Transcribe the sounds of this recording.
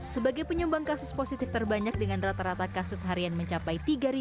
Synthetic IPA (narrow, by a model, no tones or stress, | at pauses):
səbaɡajpəɲumbaŋkasʊsposit̪ɪft̪ərbaɲak̚dəŋanrat̪aɾat̪akasʊsɦaɾianməɲt͡ʃapajt̪iɡaɾi